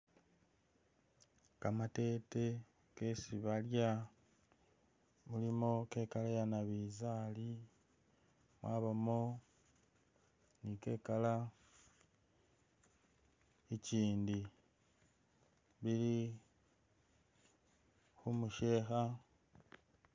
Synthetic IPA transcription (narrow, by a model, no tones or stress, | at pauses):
kamate̞ːte̞ | ke̞siβalja | mulimoke̞ːkalajanaβizaːli | mwaːβamo | nike̞ːkala | eciːndi | βiɾi | xumuʃe̞ːxa